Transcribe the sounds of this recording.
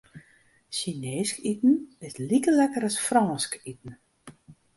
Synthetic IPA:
ʃineːskitn̩ɪslikəlɛkəɾasfrɔːskit̚n̩

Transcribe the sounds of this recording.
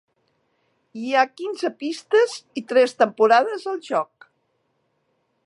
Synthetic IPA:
iakinzəpist̪əzit̪ɾɛst̪əmpuɾaðəzəlˠʒɔk̚

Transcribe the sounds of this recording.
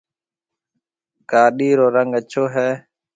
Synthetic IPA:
ɡaːɗiːɾoːɾəŋɡət͡ʃʰoːɦɛː

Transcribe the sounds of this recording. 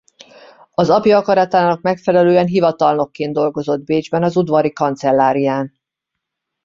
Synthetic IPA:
ɒzɒpjɒɒkɒɾɒt̪aːnɒkmɛkfɛlɛløːɛnɦivɒt̪ɒlno̞kːeːnd̪o̞lɡo̞zo̞d̪̚beːd͡ʒbɛnɒzud̪vɒɾikɒnt̪sɛlːaːɾijaːn

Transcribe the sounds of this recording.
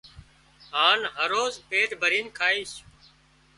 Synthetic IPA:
ɦaːnɦəɾoːzpeːʈbʱəɾiːnkʰaːiːs

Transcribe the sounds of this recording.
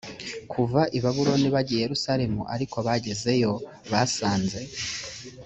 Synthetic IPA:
kʰuvaʔiβaβuɾo̞niβaɟijjeɾusaɾe̞mṵʔa̰ɾikoβaɟe̞ze̞jo̞ | βasaːnze̞

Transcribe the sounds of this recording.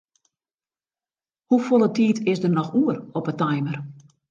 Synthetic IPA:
hufolˠətiːtʰɪsdərnɔxuːərɔpətajmər

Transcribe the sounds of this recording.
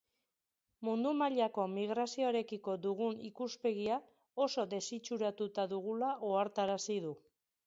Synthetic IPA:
mund̪umaʎako̞miɣɾasio̞eɾe̞kiko̞d̪uɣ̞unikuspe̞ɣia | o̞so̞d̪e̞sit͡ʃuɾat̪ut̪aðuɣ̞ulaʔoaɾt̪aɾasiðu

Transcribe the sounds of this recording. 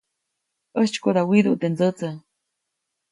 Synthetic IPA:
ʔəht͡ʃkoðawiðṵʔt̪end͡zət͡sə

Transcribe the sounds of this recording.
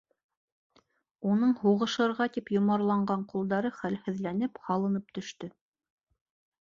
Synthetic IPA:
unɤɴhuʁɤ̆ʃɤ̆ɾʁɑt̪ipjŏmɑɾlˠɑɴɢɑɴqulˠd̪ɑɾɤχælhɘ̆ðlænɘphɑlˠɤ̆nɤp̚t̪ɵ̆ʃt̪ɵ

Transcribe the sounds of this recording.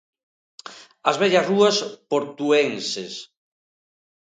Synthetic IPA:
ɐzβɛʎasruaspoɾt̪uenses

